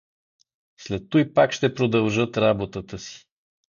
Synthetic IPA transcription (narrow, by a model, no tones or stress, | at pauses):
slɛt̪ːojpakʃt̪ɛpɾod̪əlˠʒɤt̪ɾabot̪ət̪əsi̥